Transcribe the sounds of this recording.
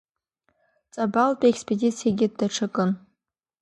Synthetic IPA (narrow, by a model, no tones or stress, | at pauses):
t͡sʼabaltʼekspʰʼedʲit͡sʰijaɡʲɪd̚daʈ͡ʂʰɨkʼɨn